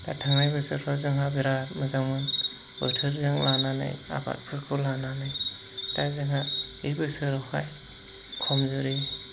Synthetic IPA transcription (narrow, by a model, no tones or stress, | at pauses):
datʰaŋnajbɯsɯɾsʰɔzɯŋɦabiɾaɾmɯzawmɯn | ɯ̰tʰɯɾzɯŋlanana̰ja̰ba̰t̚pʰɯkʰɯlananɯj | tajzɯŋɦaibɯsɯɾɔhaj | kʰɔmzɯɾi